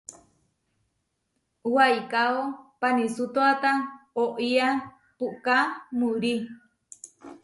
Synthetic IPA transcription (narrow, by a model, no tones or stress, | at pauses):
uwajkaopanisut̪oat̪aoʔia | puʔkamuɾi